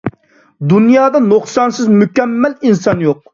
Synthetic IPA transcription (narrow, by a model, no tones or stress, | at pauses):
d̪unjɑːd̪ɑnoχsɑnsɨzmykʲɛmːæɛlinsɑnjoq̚